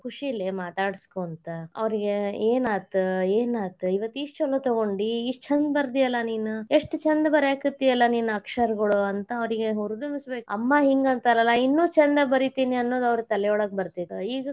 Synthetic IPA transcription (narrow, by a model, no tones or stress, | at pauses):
kʰuʂilːemaːt̪aːɽskoɐnt̪ɐɐ̰ʋɐɾiɡeeːnaːt̪ueːnaːt̪uiʋɐt̪ːiʂt͡ʃɐlːot̪ɐɡo̞ɳɖiːt͡ʃʰɐnd̪bɐɾd̪ijɐlːɐniːnueʂʈt͡ʃɐnd̪ɐbɐɾjaːkut̪ːijɐlːɐniːnuɐkʂɐɾɡɐɭuɐnt̪ɐːʋɐɾiɡe̞ɦuɾd̪umisbe̞ːkɐ̰mːaɦiŋɡɐnt̪ɐɾɐlːɐinːuːt͡ʃɐnd̪ɐbɐɾit̪iːniɐnːoːd̪uɐʋɾt̪ɐlɛjɔɭɐk̚bɐɾt̪id̪iːɡɐ